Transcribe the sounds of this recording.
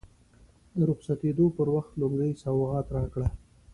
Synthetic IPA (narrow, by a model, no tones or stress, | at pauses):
d̪əɾʊxsat̪ed̪opəɾwaxt̪lʊɡɾəjsawɣɑt̪ɾɑkɽa